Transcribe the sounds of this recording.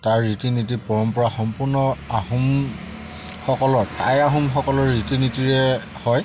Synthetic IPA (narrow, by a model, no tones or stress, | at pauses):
taɹːitinit̬ipɔɹɔmpɔɹaxɔmpuɹnɔaɦum | xɔkɔlɔɹtajaɦumxɔkɔlɔɹːitinitiɹɛ | hɔj